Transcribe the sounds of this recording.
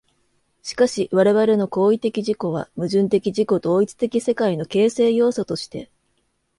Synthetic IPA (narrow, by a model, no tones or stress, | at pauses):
ɕi̥kaɕiβaɾe̞βaɾe̞no̞ko̞ːit̪e̞kʲiʑiko̞β̞a̰mɯ̟ʑɨ̃nt̪e̞kʲiʑiko̞d̪o̞ːit͡sɨ̥t̪e̞kʲise̞kaino̞ke̞ːse̞ːjo̞ːsot̪o̞ɕi̥t̪e̞̰